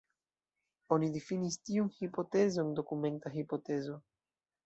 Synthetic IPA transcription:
onidifinistiunhipo̞te̞zo̞ndo̞kume̞ntaɦipote̞zo̞

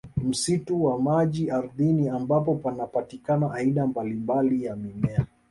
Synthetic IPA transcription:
m̩situwamaʄiaɾðiniambap̬ɔpanapatikanaʔːiɗambalimbalijamimɛa

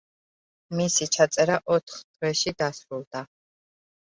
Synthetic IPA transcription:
misit͡ʃʰat̪sʼɛɾaʔɔt̪ʰχd̪̥ʰvɛʃid̪asɾulˠd̪a

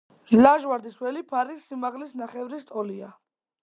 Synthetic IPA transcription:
laʒwaɾd̪iswɛlipʰaɾisːimaʁlisnaχɛvɾist̪ʼɔlia

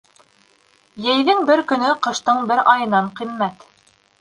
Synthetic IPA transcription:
jɘ̆jðɘŋbɘɾkɵ̆nɵqɤ̆ʃt̪ɤɴbɘɾɑjɤ̆nɑɴqimːæt̪

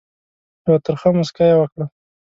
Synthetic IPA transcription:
jawat̪əɾxəmʊskajewəkɽa

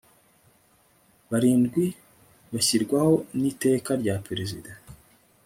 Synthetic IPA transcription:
βaɾiːnɡwi | βaçiɾɡwaho̞nite̞ːkaɾɟapeɾezida

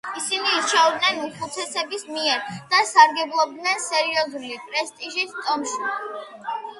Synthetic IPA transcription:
isiniːt͡ʃʰɛvd̪nɛnuχut̪sʰɛsɛbismiɛɾd̪̥asaɾɡɛblˠɔb̚d̪nɛnsɛɾiɔzulipʼɾɛst̪ʼiʒist̪ʼɔmʃi

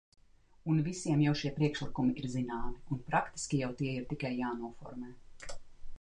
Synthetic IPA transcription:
unvisiɛmjawʃiɛpɾiɛkʃlˠikumiʔiɾzinaːmiunpɾakt̪i̥skʲijawt̪iɛiɾt̪ikajːaːnuɔfɔ̰ɾmɛː

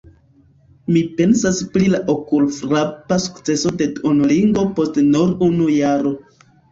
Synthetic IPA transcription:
mipe̞nsaspɾilaʔokulfɾapasu̥kt͡se̞so̞de̞dunliŋɡo̞po̞stnuɾunujaɾo̞

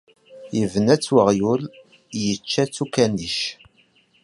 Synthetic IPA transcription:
jəvnæt͡sːwəʁjul | jət͡ʃːæt͡sːukæniʃ

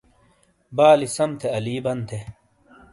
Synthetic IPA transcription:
baːlisɐmt̪ʰeɐliːbɐnt̪ʰe

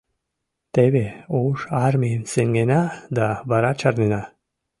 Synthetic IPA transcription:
t̪eβeoʃaɾmimseŋɡenad̪abaɾat͡ʃaɾnina

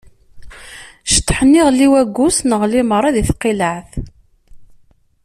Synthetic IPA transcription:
ʃə̥t̪ːħənːiʁlːiwæɡːʊsnəʁliməɾˤɑðiθqiləʕθ

